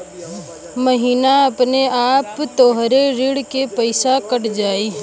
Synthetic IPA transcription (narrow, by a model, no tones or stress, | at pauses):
məɦiːnaɐpneaːpt̪oːɦɾeɾɪɽkepəɪsakəʈd͡ʒaːiː